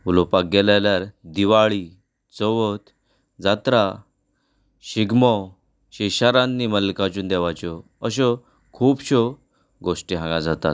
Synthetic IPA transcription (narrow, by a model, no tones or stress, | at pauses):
ulɔpak̚ɡɛlajljaɾd̪iʋaɭi | t͡sɔʋɔt̪ | d͡zat̪ɾa | ɕiɡmɔ | ɕiɕaɾãnːiməlkat͡ɕuːnd̪ɛʋajt͡ɕɔ | əɕ̬ɔ | kʰuːbɕɔ | ɡoʂʈiɦãŋɡad͡zat̪a̰t̪̚